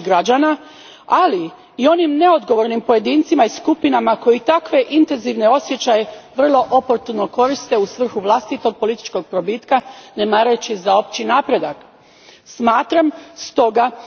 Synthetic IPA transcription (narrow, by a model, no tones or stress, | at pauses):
ɡɾad͡ʑana | ali | io̞nimne̞o̞d̪ɡo̞ʋo̞ɾnimpo̞je̞d̪iːnt̪simaiskupinamako̞jit̪akʋe̞ʔint̪e̞nziʋne̞o̞sje̞t͡ɕajeʋr̩lˠo̞ʔopo̞ɾt̪uno̞ko̞ɾist̪e̞usʋr̩xuʋlˠast̪it̪o̞ɡ̚po̞lit̪i̥t͡ʃko̞ɡ̚pɾo̞bit̪kanemaːɾajut͡ɕizao̞p̚t͡ɕinaːpɾe̞d̪ak | smaːt̪ɾamst̪o̞ɡa